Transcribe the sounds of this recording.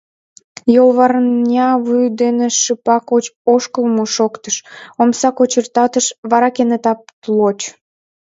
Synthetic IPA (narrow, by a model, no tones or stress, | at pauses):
jolβɑrnʲɑβujd̪eneʃɨpɑkot͡ɕoʃkəlmoʃokt̪əʃomsɑkot͡ɕərt̪ɑt̪əʃβɑɾɑkenet̪ɑp̚t̪lot͡ɕ